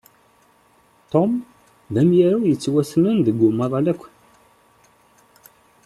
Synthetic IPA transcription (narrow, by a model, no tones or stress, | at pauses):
t̪ˤom | ðæmjaɾæwjət͡sːwæsnənðəɡːʊmːɑðˤɑlækʷːən